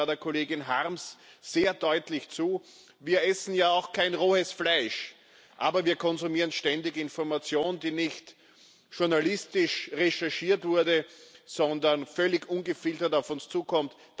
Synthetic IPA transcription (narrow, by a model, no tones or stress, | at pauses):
deːɐkʰoleːɡɪnɦaʁmsz̥eːɐdɔʏtlɪçt͡suː | viːɐʔɛsn̩jaːaʊxkʰaɪnʁoːəsflaɪʃ | ʔaːbɐviːɐkʰɔnzumiːʁənʃtɛndɪɡɪnfɔɐmat͡sjoːnd̥iːnɪçt | ʃʊɐnalɪstɪʃʁeʃɛɐʃiːɐtv̥ʊɐdəz̥ɔndɐnfœlɪçʔʊnɡəfɪltɐtaʊfʊnst͡suːkʰɔmt | d̥